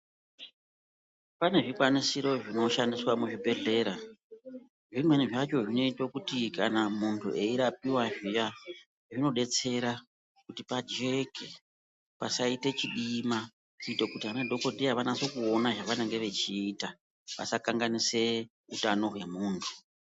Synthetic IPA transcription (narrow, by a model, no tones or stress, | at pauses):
pane̞ʐikwanisiɾo̞ʐino̞ʃandiswamuʐibʱe̞ɮe̞ːɾa | ʐimwe̞niʐat͡ʃo̞ʐino̞itokutikanamuntʰṵʔe̞iɾap̚iwaʐija | ʐino̞ɗe̞t͡se̞ɾa | kutipad͡ʒe̞ke | pa̰saite̞t͡ʃiɗima | kuitokutiɦanedʱo̞kodʱiaʋanasokuonaʐaʋaneŋɡe̞ʋe̞t͡ʃiːta | ʋa̰sakaŋɡanise̞ | utano̞ɦwe̞muːntʰu̥